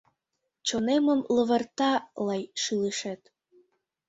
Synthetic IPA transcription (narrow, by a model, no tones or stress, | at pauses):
t͡ɕoneməmlə̆βə̆rt̪ɑlɑjʃɯləʃet̪